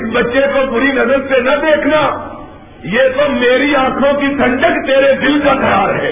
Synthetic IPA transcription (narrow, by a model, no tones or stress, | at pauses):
sbɐtːʃekobʊɾinɐzəlsenɐd̪eːkʰna | jeːt̪omeːɾiãːkʰõkit̪ʰɐ̃ɳɖəkt̪eːɾed̪ɪld͡ʒak̪ʰɐɾaːɾɦɛː